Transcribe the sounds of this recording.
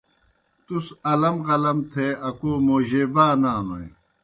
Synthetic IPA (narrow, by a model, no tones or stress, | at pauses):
t̪usɐlɐmʁɐlɐmt̪ʰeːɐkoːmoːʑeːbaːnaːnoe